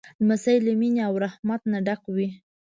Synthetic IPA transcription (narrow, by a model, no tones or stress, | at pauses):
masajlamineawɾahmat̪̚naɖakwi